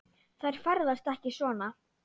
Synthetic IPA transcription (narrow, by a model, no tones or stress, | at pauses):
θajɾ̥faɾðast̪ɛhcɪsvɔːna